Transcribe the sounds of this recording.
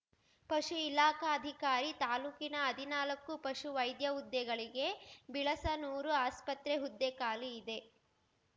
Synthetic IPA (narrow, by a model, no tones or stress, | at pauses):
pɐʃuilaːkaːd̪ʱikaːɾit̪aːluːkinɐːd̪ʱinaːlɐkːupɐʃuʋɐjd̪jɐud̪ːɛɡɐɭiɡe̞biɭɐsɐnuːɾuaːspɐt̪ɾeɦud̪ːekaːliːd̪e̞